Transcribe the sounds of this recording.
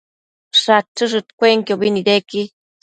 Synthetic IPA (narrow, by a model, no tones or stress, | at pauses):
ʂat͡ʃːɨʐɨt̪kʷeŋkobinid̪eki